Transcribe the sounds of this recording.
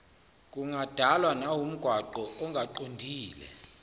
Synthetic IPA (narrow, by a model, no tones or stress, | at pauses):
k̬ʼuŋad̥ʱalwanawum̩ɡ̥ʱwaǃɔɔŋʱaǃondʱiːlɛ̰